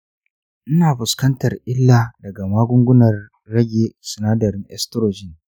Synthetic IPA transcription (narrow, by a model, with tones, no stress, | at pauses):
ʔɪ˦naː˨ɸʊ˨skɐ˦ntɐ˨rʔɪ˦lːaː˨dɐ˨ɡa˨maː˦ɡʷʊ˦ŋɡʷʊ˦nɐ˨rː | ɐ˦ɡʲeː˨sɪ˨naː˦dɐ˨ɾɪ˦ŋʔɛ̰˦stɾoː˨d͡ʒɪ˦n